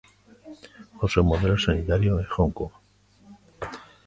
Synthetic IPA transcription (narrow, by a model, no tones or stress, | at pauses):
xosemoð̞elosanit̪aɾjoexoŋkoɣ